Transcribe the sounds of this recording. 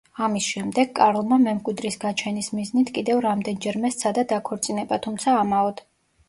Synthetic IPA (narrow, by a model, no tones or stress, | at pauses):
amisʃɛmd̪ɛɡkʼaɾlˠmamɛmkʼwid̪ɾisɡat͡ʃʰɛnismiznit̪ʰkʼid̪ɛvɾamd̪ɛnd͡ʒɛɾmɛst̪sʰad̪ad̪akʰɔɾt̪sʼinɛbat̪ʰumt̪sʰaːmaɔd̪